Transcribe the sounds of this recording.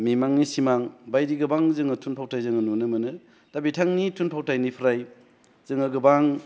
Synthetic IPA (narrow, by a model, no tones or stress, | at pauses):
mimaŋnisimaŋbajɾiɡɯbaŋzɯŋɯtʰunpʰawtʰajzɯŋɯnunɯmɯnɯ | tabitʰaŋnitʰunpʰawtʰajnipʰɾaj | z̥ɯŋɯɡɯbaŋ